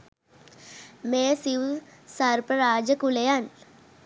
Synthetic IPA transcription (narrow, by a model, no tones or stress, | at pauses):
meːsiʋsɐɾpəɾaːd͡ʒəkulejan